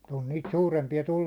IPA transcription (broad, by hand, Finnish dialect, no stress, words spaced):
on niːt suːrempiɑ tulːum